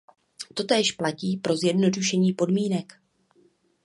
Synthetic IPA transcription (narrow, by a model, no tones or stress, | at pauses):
t̪o̞t̪ɛːʃplaciːpɾo̞zjɛdno̞duʃɛɲiːpo̞dmiːnɛk